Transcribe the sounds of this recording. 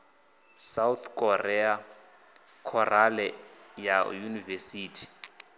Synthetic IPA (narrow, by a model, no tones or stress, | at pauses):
sawt̪kʰʼɔrɛa | kʰɔralɛ | jajunivesiːtʰi̥